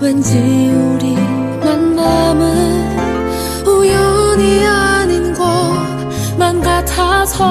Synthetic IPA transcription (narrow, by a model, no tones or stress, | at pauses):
wend͡ʑɯuɾi | manːamɯn | ujoɲiaɲinɡo | manɡatʰasʰʌ